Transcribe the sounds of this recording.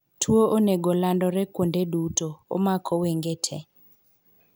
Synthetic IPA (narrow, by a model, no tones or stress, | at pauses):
tʰwoʔoneɡolandɔɾɛkwondedutoo̰makʰɔweŋɡetʰɛ̰